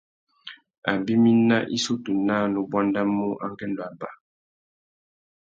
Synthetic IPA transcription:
a˨bi˦mi˦na˦ʔḭ˦so˦tu˨na˦nu˨bwa˦nda˦mo˦ʔa˦ŋ˦kɛ˦ndɔ˨a˨ba˦

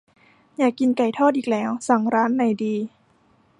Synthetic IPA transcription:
jaː˨˩kːi˧nka˨˩jt̪ʰɔː˥˩t̪̚ʔiː˨˩k̚lɛː˦˥wsa˨˩ŋɾaː˦˥nːa˨˩jdiː˧

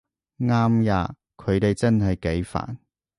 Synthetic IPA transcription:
ŋaː˥mjaː˨˧ | kʰɵ˨˧ɥt̪e˨jt͡sɐ˥nɦɐ˨jke˨˥jfa̰ː˨˩n

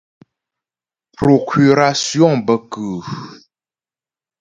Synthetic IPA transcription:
pɾo˨kʰy˨ɾa˨si˦ɔ̃˦˨ŋbə˨kɨ˨

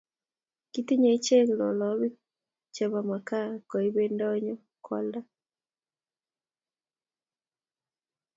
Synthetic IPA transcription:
ki˦t̪i˦ɲe˨i˦t͡ʃe˦ŋlɔ̰˨lɔ˨˦βi˦ | t͡ʃɛ˨βa˨ma˨ka˦kɔ˨i˦βe˦ndɔ˦ɲɔ˦ | kʰɔ̰˦lda˦

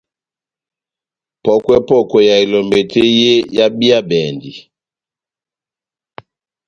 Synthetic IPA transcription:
pɔ˦kwɛ˦pɔ˦kɔ˨ja˨i˨lɔ˨mbe˨te˦je˦ja˦bi˦a˦bɛ˨ndi˨

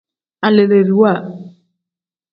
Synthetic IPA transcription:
a˨le˨ɾe˨ɾi˨wa˦˨

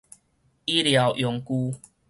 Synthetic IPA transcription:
i˦lja˨˦ʊwʔjɔ˨˧ŋku˦

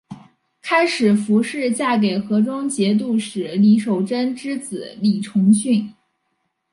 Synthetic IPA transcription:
kʰa˥ɪʂɻ̩˨˩fu˧˥ʂɻ̩˥˧t͡ɕja˥˩ke˨˩ɪxɤ˧˥ʈ͡ʂʊ˥ŋt͡ɕjɛ˧˥t̪̬u˥˩ʂɻ̩˨˩li˧˥ʂo˨˩ʊʈ͡ʂə˥nʈ͡ʂɻ̩˥t͡sɹ̩˨˩li˨˩ʈ͡ʂʰʊ˧˥ŋɕy˥˩n

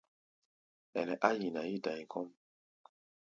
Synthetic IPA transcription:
ɛ˨nɛ˨ʔa˦ji˨na˨ji˦da˨jkʰɔ˦m

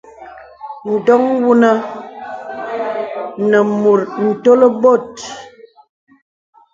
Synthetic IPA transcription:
n̩˨dɔ˦ŋwu˦nə˦ | nə˨mu˨ɾn̩˨to˦lə˦bo˦˨t̚

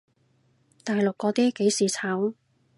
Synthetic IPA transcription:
t̪aː˨jlʊ˨kːɔː˨˧t̪iː˥ke˨˥jsiː˨t͡sʰaː˨˥w

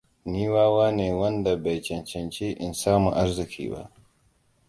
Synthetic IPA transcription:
niː˦waː˦waː˦neː˨wɐ˦nda˨ba˨jt͡ʃɛ˨nt͡ʃɛ˨nt͡ʃeː˦ʔɪ˨nsaː˦mṵ˨ʔa˦ɾzu˨kʰḭː˨ba̰˦˨

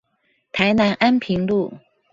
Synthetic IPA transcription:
t̪ʰa˧˥ɪna˧˥nʔa˥npʰi˧˥ŋlu˥˩

